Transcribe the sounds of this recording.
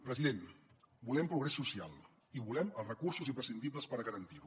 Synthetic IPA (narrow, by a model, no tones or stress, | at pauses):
pɾəziðenbulɛmpɾuɣɾɛsːusia̰lˠ | iβulɛməlˠzrəkursuzimpɾəsind̪ib̬ləspəɾəɣəɾənt̪iɾu